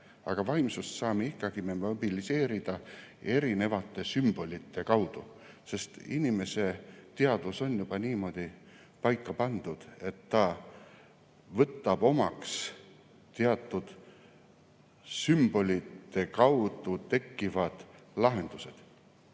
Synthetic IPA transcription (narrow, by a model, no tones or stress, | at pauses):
ɑ̰ɡ̥ɑvɑimsust̪sɑːme̞ikˑːɑɡ̥imemob̥ilise̞ːɾid̪̥ɑe̞ɾine̞vɑt̪ːˑe̞symb̥o̞lʲit̪ːe̞kɑwd̪̥u | se̞st̪inime̞se̞t̪eɑd̪̥uso̞njub̥ɑniːmo̞d̪̥i | pɑjkːɑpɑnd̪̥ud̪̥e̞t̪ːɑ | vɤt̪ːˑɑb̥o̞mɑks | t̪eɑt̪ːˑud̪̥ | symb̥o̞lʲit̪ːe̞kɑwd̪̥ut̪e̞kːivɑd̪̥lɑɦe̞nd̪̥use̞d̪̥